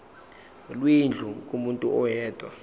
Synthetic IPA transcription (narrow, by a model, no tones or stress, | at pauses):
lwind͡ɮʱukʼumuntʼṵʔɔjɛːd̥ʼʱwa̰